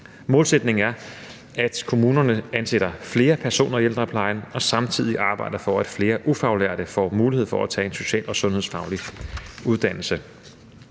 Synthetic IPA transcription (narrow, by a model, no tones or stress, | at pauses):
mɔ̽ːlsed̥ne̝ŋ̩æɐ | æd̥kʰo̝muːnɐnəænseɾ̥ɐfle̝ːɐpʰæɐso̝̰ːnɐield̥ʁɐpʰlɑ̈ɪnɒ̽sɑ̈mt͡sʰið̰ˠiʔɑ̈ːb̥ɑ̈ɪ̰d̥ɐfɒæd̥fle̝ːɐʔufɑ̈ʊlæɐd̥əfɒ̰muːlihe̝ð̰ˠfɒæt͡sʰɛ̰ːe̝nso̝ɕɛ̰ːlʔɒ̽sɔ̽nhe̝ðˠsfɑ̈ʊliuð̞ˠd̥æn̰l̩sə